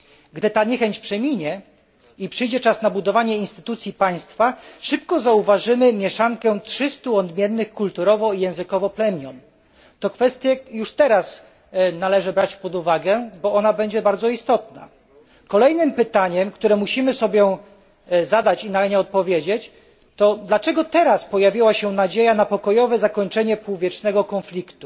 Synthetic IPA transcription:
ɡd̪ɘt̪aɲɛxɛɲt͡ɕpʂɛmʲiɲɛ | ipʂɘjd͡ʑɛt͡ʂasn̪abud̪ɔvaɲɛinst̪ɘ̥t̪ut̪sʲjipaj̃st̪faʂɘp̚kɔzauvaʐɘmɘmʲjɛʂaŋkɛtʂɘst̪uɔd̪mʲjɛnːɘxkult̪uɾɔvɔijɛ̃w̃zɘkɔvɔplɛmʲjɔn | t̪ɔkfɛst̪ʲjɛjuʂt̪ɛɾas | nalɛʐɘbɾat͡ɕpɔd̪uvaɡɛbɔɔnabɛɲd͡ʑɛbaɾd̪zɔist̪ɔt̪na̰ | kɔlɛjnɘmpɘt̪aɲɛmkt̪uɾɛmuɕimɘsɔbʲjɔ̃w̃ | zad̪at͡ɕinaɲɛɔt̪̚pɔvʲjed͡ʑet͡ɕ | t̪ɔd̪lat͡ʂɛɡɔt̪ɛɾaspɔjavʲiwaɕɛnad͡ʑejanapɔkɔjɔvɛzakɔɲt͡ʂɛɲɛpuwvʲjɛt͡ʂnɛɡɔkɔnflʲikt̪u

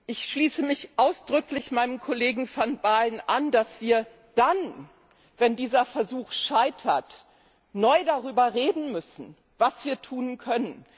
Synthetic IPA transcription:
ʔɪçʃliːsəmɪçʔaʊsd̥ʁʏklɪçmaɪnəmkʰoleːɡŋ̩fɔnbaːlnʔand̥asv̥iːɐ | d̥an | vɛndiːzɐfɛɐzuːxʃaɪtʰɐt | nɔʏdaʁyːbɐʁeːdn̩mʏsn̩ | vasv̥iːɐtʰuːnkʰœnən

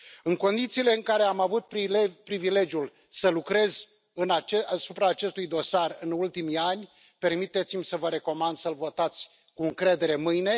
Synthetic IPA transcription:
ɨŋko̞nd̪it̪siːle̞ɨŋkaɾe̞amavut̪̚pipɾivile̞d͡ʒjul | səlukɾe̞z̥ | ɨnat͡ʃasupɾaːt͡ʃe̞st̪ujd̪o̞sarɨnult̪imianʲ | pe̞rmit̪e̞t̪simʲsəvəɾe̞ko̞mand̪səlvo̞t̪at̪sʲ | kuɨŋkɾe̞d̪e̞ɾe̞mɨjne̞

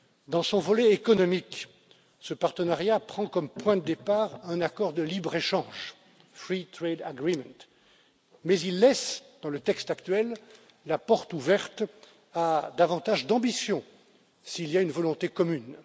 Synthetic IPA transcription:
d̪ɑ̃sɔ̃vɔlɛekɔnɔmik | səpaʁt̪ənaʁjapχɑ̃kɔmpwɛ̃d̪əd̪epaʁɛ̃nakɔʁd̪əlibʁeʃɑ̃ʒ | fχit̪χed̪aɡʁimɛ̃t̪ | mɛzilːɛsd̪̥ɑ̃lət̪ɛkst̪akt̪ɥɛlː | apɔʁt̪uvɛʁt̪ | ad̪avɑ̃t̪aʒd̪ɑ̃bisjɔ̃ | siːljaynvɔlɔ̃t̪ekɔmyn

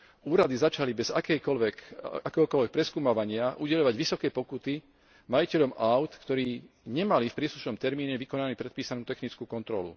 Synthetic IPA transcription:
uːɾad̪izat͡ʃalibɛzakɛjkɔlʋɛkakɛːɦɔkɔlʋɛk̚pɾɛskuːmaʋaɲɪaʔuɟɛʎɔʋaɟʋisɔkɛjpɔkut̪i | majicɛʎɔmʔaʊt̪kt̪ɔɾiː | ɲɛmalifpɾiːsluʃnɔmt̪ɛɾmiːɲɛʋikɔnanipɾɛt̪piːsanuːt̪ɛxnit͡skuːkɔnt̪ɾɔlṵ

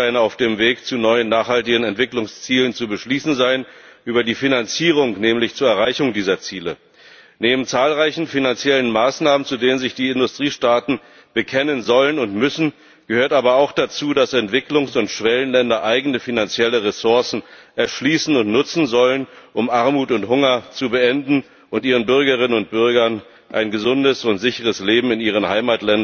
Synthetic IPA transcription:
aɪənaʊfd̥eːmveːkt͡sunɔʏənːaːχhaltɪɡənɛntv̥ɪklʊŋst͡siːlənt͡subəʃliːsn̩zaɪənʔyːbɐdiːfinant͡siːʁ̞ʊŋnɛːmlɪçt͡suːɐɛɐʁ̞aɪçʊŋdiːzɐt͡siːlə | neːbm̩t͡saːlʁaɪçn̩finant͡sjɛlənmaːsnaːmənt͡sudeːnənzɪçd̥iːɪndʊstʁ̥iːʃtaːtn̩ | b̥əkʰɛnənzɔlənʊntmʏsn̩ | ɡ̥əhøːɐtaːbɐaʊxd̥at͡suːdasɛntv̥ɪklʊŋsʊntʃv̥ɛlənlɛndɐʔaɪɡən̩əfinant͡sjɛləʁesʊɐsn̩ʔɛɐʃliːsn̩ʊntnʊt͡sn̩zɔlənʔʊmʔaɐmuːtʊnthʊŋɐt͡subəʔɛndn̩ | ʔʊntʔiːʁ̞ənbʏɐɡəʁɪnənʊnt̚b̥ʏɐɡɐn | ʔa̰ɪnɡəzʊndəsʊntz̥ɪçəʁəsleːbm̩ɪniːʁ̞ənhaɪmaːtlɛn

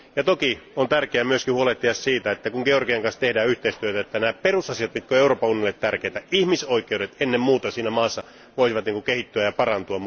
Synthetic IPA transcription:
jɑt̪okiont̪ærkeæmyøskihuoleht̪ːiɑssiːt̪æet̪ːækuŋɡ̥eorkiɑŋkɑnst̪ehdæːyht̪eˑist̪yøt̪æet̪ːænæːperusɑsiɑt̪mit̪køeuroːpɑunĭjonliːet̪t̪ærkeːˑt̪æihmisoikˑeuɾet̪enːemmuːt̪ɑsiːnæmɑːsːɑ | ʋoˑisiʋɑt̪niŋkukehit̪ːyæjɑpɑrɑnt̪uɑm

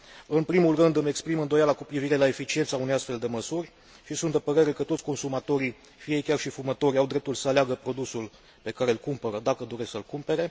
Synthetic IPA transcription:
ɨnpɾimulrɨnd̪ɨme̞kspɾimɨnd̪o̞jalakupɾiviɾe̞lae̞fit͡ʃie̞nt̪saunejast̪fe̞ld̪e̞məsurʲ | ʃisunt̪d̪epəɾe̞ɾe̞kət̪ot̪sʲko̞nsumat̪o̞ɾi | fiekʲarʃifumət̪o̞ɾʲjawd̪ɾe̞p̚t̪ulsəaleaɡəpɾo̞d̪usul | pe̞kaɾe̞lkumpəɾəd̪akəd̪o̞ɾe̞ssəlkumpe̞ɾe̞

